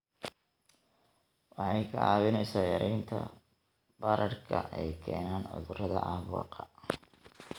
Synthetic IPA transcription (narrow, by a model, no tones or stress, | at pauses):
wɑħɑjkʰɐɑːwɪnɛjsaːjɐɾʔɛjnt̪ʰɐ̰ | bɐɾɐrkʰɐ̰ʔɛjkʰɛːnaːnʕʊ̰ðʊrɐðɐʔɑːβwɑ̰ːqɑ